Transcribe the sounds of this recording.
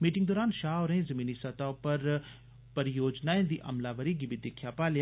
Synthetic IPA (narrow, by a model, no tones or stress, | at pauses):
miːʈɪŋɡd̪oːɾaːnʃaːoːɾeĩːzəmiːniːsət̪aːopəɾ | pəɾɪjoːd͡ʒnaːẽːd̪ḭːʔə̰mlaːʋəɾiːɡiːbiːd̪eːkʰjaːpaːlja